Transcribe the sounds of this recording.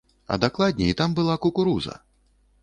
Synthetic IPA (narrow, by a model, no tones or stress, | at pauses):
ɐ̰d̪aklˠad̪ʲnʲɛit̪ambɨlˠakukuɾuzɐ̰